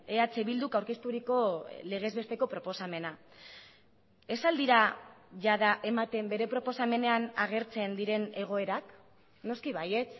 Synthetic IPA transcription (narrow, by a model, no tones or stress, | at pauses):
eat͡seβild̪ukawɾke̞st̪uɾiko̞le̞ɣ̞e̞zβe̞st̪e̞ko̞pɾo̞po̞same̞na | e̞sald̪iɾaʝaðaʔe̞mat̪e̞mbe̞ɾe̞pɾo̞po̞same̞ne̞anaɣ̞e̞ɾt͡se̞nd̪iɾe̞ne̞ɣ̞o̞e̞ɾak | no̞skiβaje̞t͡s